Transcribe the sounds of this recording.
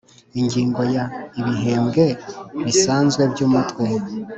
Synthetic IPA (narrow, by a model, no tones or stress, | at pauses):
iɲɟiːŋɡo̞jaiβiɦe̞ːmɡe̞βisaːnzɡwe̞bjuːmutwe